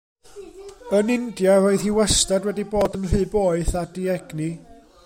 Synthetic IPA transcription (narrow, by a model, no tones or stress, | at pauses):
ənɪndjaɾoɨðhiwɛstadwɛdiboːdənr̥ɨːboːɨθadiɛɡni